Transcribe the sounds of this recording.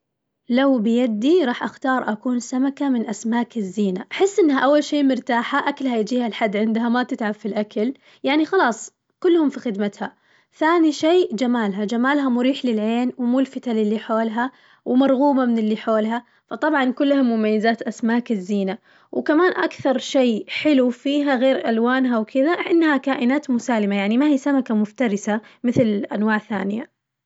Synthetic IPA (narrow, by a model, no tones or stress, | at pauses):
lawbɪjad̪ːiɾˤɑːħʔaxt̪ɑːɾˤʔakuːnsamakamɪnʔasmaːkɪzːiːnaʔaħɪsːʔɪnːhaʔawːalʃeːʔmʊɾt̪aːħaʔakalhajd͡ʒiːhalħad̪ːʕɪnd̪ɦamat̪ɪt̪ʕabfilʔakal | jaʕnixɑlɑːsˤ | kʊlːhʊmfixɪd̪mat̪ha | θaːniʃeːd͡ʒamaːlɦad͡ʒamaːlɦamʊɾiːħlɪlʕeːnwmuːlfɪt̪alɪlːiħoːlɦa | wɪmɑɾˤɣuːmamɪnɪlːiħoːlɦa | fɑt̪ˤɑbʕɑnkʊlːhamːʊmajːazaːt̪ʔasmaːkɪzːiːna | wkamaːnʔakθɑɾˤʃeːħɪlufiːɦaɣeːɾʔalwaːnɦawkɪðaʔʔɪnːhakaːʔɪnaːt̪mʊsaːlɪmajaʕnimahiːsamakamʊft̪ɑɾɪsamɪθlɪlʔa̰nwaːʕθa̰ːnɪja̰